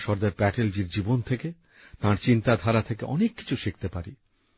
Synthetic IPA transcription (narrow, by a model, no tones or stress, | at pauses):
ʃɔɾd̪aɾpɛʈeld͡ʑiɾd͡ʑibont̪ʰeke | t̪ãɾt͡ɕint̪ad̪ʱaɾat̪ʰekḛʔɔnekːi̥t͡ɕʰuʃek̚t̪epaɾi